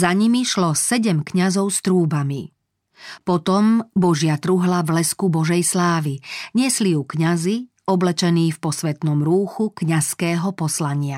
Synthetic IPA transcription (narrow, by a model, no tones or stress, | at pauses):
zaɲimiʃlɔsɛɟɛmkɲazɔʊst̪ɾuːbami | pɔt̪ɔmbɔʒɪat̪ɾuɦlavlɛskubɔʒɛjslaːʋiɲɪɛslijukɲazi | ɔblɛt͡ʃɛniːfpɔsʋɛt̪nɔmɾuːxukɲaskɛːɦɔpɔslaɲɪa